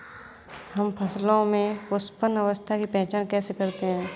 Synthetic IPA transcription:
hɐmpʰɐslõmẽpʊspənəʋəst̪ʰakipɛ̃ɦt͡ʃaːnkɛːsekɐɾt̪eɦɛ̃ː

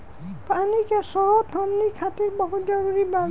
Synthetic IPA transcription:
panikɛsɔɹɔt̚d̪ʱɔmnikʰatik̚bɔɦutzɔɹuɹiba

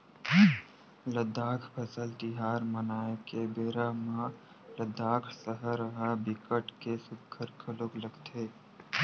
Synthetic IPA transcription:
ləd̪aːkʰpʰɐsəlt̪ɪɦaːɾmənaːekebeːɾamã | ləd̪aːkʰsəɦəɾəɦabɪkəʈkesʊb̚kʰːəɾkʰəlokləɡt̪ʰeː

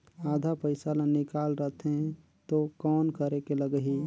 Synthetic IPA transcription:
aːd̪ʱapəɪsalãnɪkaːlɾət̪ʰe | t̪okɔːnkəɾekeləɡəɦi

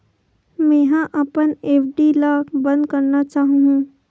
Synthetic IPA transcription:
mɛ̃ɦãʔəpəneːpʰɖilaːkbə̃nd̪̚kəɾnat͡ʃaːɦũɦũ

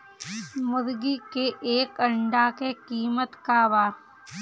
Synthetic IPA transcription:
mʊd̪ɡikeʔeːkəɳɖakekiːmət̪kaʋaː

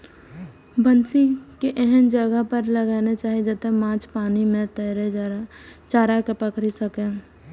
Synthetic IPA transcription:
bənsikeʔɛɦənd͡ʒəɡəɦpəɾləɡaːnet͡ʃaːɦid͡ʒət̪emãːt͡ʃpaːnimẽt̪əɾe | t͡ʃaːɾakepəkɾisəke

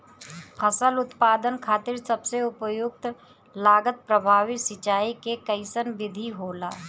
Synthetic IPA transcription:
pʰəsəlʊt̪paːd̪ənkʰaːt̪ɪɾsəbseʊpəjʊɡ̚t̪ | laːɡət̪̚pɾəbʱaːʋɪsɪt͡ʃaːikekəɪsənʋɪd̪ʱiɦoːla̰ː

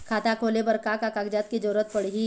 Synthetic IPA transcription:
kʰaːt̪akʰoːlebɐɾkakakakd͡ʒat̪kid͡ʒɔːɾət̪̚pəɽɦi

